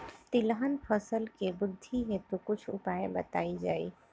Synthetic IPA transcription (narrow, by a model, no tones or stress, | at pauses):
t̪ilɦənpʰəsəlkebʊd̪ʱːiɦet̪ukut͡ʃʰupaebə̰t̪aid͡ʒaj